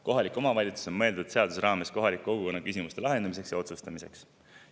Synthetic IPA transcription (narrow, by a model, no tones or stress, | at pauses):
ko̞ɦɑlikːˑo̞mɑvɑlʲit̪su̥sonmɤ̞e̞ld̪ud̪̥se̞ɑd̪̥usɾɑːme̞sko̞ɦɑlikːˑo̞ɡuko̞nːɑkysʲimust̪e̞lɑɦend̪ɑmise̞ksjɑo̞t̪sust̪ɑmise̞̰ks